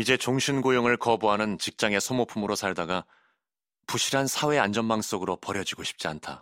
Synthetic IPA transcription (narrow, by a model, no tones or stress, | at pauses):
id͡ʑe̞t͡ɕoŋɕʰinɡojoŋɯɭkʌbuɦanɯnt͡ɕik̚t͡ɕ͈aŋe̞sʰomopʰumɯɾosʰaɭdaɡa | puɕʰiɾɦansʰawe̞and͡ʑʌnmaŋs͈oɡɯɾopʌɾjʌd͡ʑiɡoɕʰi̥p̚t͡ɕ͈iantʰa